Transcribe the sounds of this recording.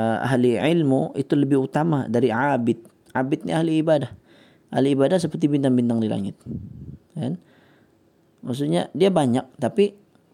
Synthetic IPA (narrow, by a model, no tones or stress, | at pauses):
a̰ɦliʕɪlmuit̪uləbɪhut̪ama̰daɾiʕabɪt̪̚ | ʕabɪt̪̚nḭahliːbadah | ʔahliːbadahs̬əpərt̪ibind̪aŋbind̪aŋdila̰ŋɪ̰t̪̚ | kan | maks̬usɲa̰diabaɲak̚t̪api